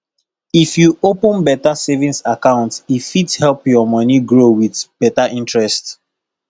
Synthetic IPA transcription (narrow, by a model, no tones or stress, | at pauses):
ifjuopə̃nbɛtasevĩnsakãʊ̃ntifidhɛlpjɔmɔniɡɹowiðb̥ɛtaʔĩntɹɛst